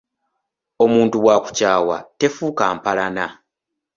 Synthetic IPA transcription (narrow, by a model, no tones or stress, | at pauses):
o̞muːntuβwaːku̥caːwa̰te̞fuːkaːmpalana